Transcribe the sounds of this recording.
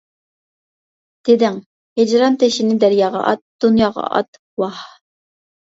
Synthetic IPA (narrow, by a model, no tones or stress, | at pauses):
d̪̥ed̪ɪŋ | hed͡ʒɾɑnt̪ʰeʃɪnɪd̪æɾjɑːʁɑ̰ʔɑt̪̚d̪̥unjɑːʁɑ̰ʔɑ̰t̪ | wɑh